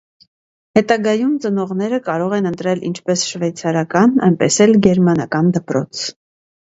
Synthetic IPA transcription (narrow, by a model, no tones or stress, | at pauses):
hɛt̪ɑɡɑjumt͡sənɔʁnɛɾəkɑɾɔʁɛnənt̪ɾɛlḭnt͡ʃʰpɛsʃvɛjt͡sʰɑɾɑkɑnɑ̰jnpɛsɛlɡɛɾmɑnɑkɑnd̪əpɾɔ̰t͡sʰ